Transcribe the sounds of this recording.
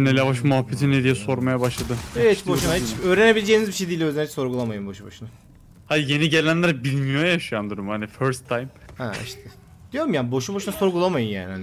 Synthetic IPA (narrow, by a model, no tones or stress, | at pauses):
nɛlʲjavaʃ̬muɦafːet̪ʰinɛd̪ijɛso̞ɾmajabaʃlˠad̪ɯit͡ʃboʃunait͡ʃøːɾenebilʲed͡ʒeːinizbiʃejd̪ijlʲøzænʲɛt͡ʃso̞ɾɡulˠamajɯmbo̞ʃuboʃuna | had̪ije̞niɟe̞lʲænlʲæɾbilʲmijoajaʃɯjand̪uɾumhaniføɾst̪ʰːajmhɛ̰ḭʃt̪ʰɛ | d̪̥ijo̞ɾumjaːnbo̞ʃuboʃunaso̞ɾɡulˠamajɯnja̰ːnihan